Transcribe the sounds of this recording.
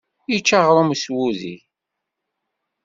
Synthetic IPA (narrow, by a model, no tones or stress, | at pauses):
jit͡ʃːaʁɾˤomswuðḭ